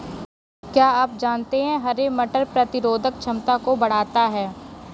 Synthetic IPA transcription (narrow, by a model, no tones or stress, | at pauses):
kjaːaːp̚d͡ʒaːnt̪eɦɛ̃ɦɐɾemɐʈəɾpɾɐt̪ɪɾoːd̪ʱək̚t͡ʃʰɐmt̪akobɐɽ̤aːt̪aɦɛː